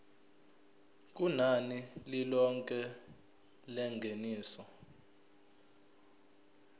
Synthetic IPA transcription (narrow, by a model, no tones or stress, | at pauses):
k̬ʼunanililɔŋkʼɛ | lɛŋɡʱeniːsɔ